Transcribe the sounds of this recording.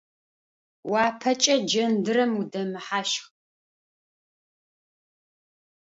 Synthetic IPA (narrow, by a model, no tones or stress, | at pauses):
waːpʰɐt͡ʃʼɐd͡ʒɐndɨɾɐmudɐmɨħaʃχ